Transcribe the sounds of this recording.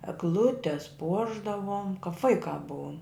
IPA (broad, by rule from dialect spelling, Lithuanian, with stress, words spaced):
ɛɡˈlˠʊtʲɛs ˈpuɔʒdɐʋoːm kɐp ˈʋɐɪkɑː ˈbuɔm